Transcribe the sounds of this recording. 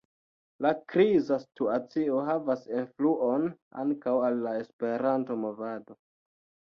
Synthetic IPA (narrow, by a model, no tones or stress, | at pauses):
lakɾizastuat͡sio̞ɦavasenfluʔo̞n | a̰ŋkawalːae̞spe̞ɾanto̞mo̞vado